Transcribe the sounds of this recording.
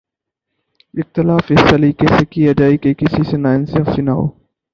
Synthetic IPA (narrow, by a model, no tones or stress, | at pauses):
ɪxt̪ɪlaːfɪsːɐliːkesekijad͡ʒaːekekɪsisenaːɪnseɐfsinaːɦo̰ː